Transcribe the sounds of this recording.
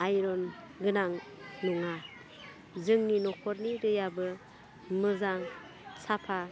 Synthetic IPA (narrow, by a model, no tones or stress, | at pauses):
ajɾɔn | ɡɯnaŋnuŋa | zɯŋninɔkʰɔɾniɾɯjabɯ | mɯzaŋ | sapʰa